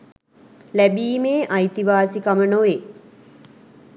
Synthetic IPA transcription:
læbiːmeːʔajt̪iʋaːsikamənoʋe

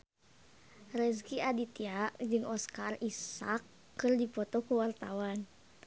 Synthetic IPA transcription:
rɛskiadit̪iaʔd͡ʒɨŋɔskarisakː | ɨrdipɔt̪ɔkuwart̪awan

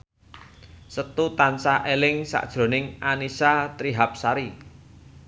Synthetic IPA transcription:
sət̪ut̪ansaʔelɪŋsa̰ʔd̥ʒ̥ɾo̤nɪŋanisat̪ɾiɦap̚saɾi

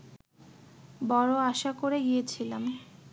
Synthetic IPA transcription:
bɔɾoaʃakoɾeɡijet͡ɕʰilam

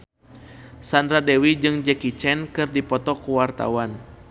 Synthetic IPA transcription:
sandɾadɛwid͡ʒɨŋd͡ʒɛkit͡ʃɛnkɨrdipɔt̪ɔkuwart̪a̰wan

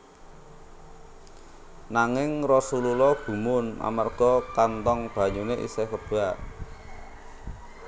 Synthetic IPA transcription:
naŋɪŋrɔsululɔɡ̥ṳmʊna̰marɡ̥ɔ̤kant̪ɔŋb̥a̤ɲuneʔḭsekəb̥a

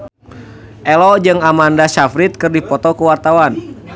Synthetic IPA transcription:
ʔɛlɔd͡ʒɨŋamandasafɾit̪̚kɨrdipɔt̪ɔkuwart̪awan

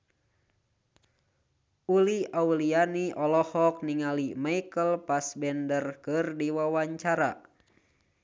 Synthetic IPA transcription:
uliaulianiʔɔlɔhɔk̚niŋalimaijkəlpasbɛndərkɨrdiwawaɲt͡ʃaɾa̰

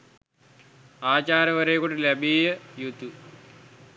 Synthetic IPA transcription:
aːt͡ɕaːɾɐʋɐɾejkːoɳɖɨlebʱiːjɐjut̪ːu

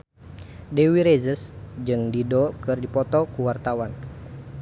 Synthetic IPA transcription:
dewiɾezəsd͡ʒɨŋdidɔkɨrdipɔt̪ɔkuwart̪awan

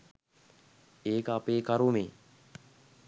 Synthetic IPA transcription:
eːkəapeːkaɾumeː

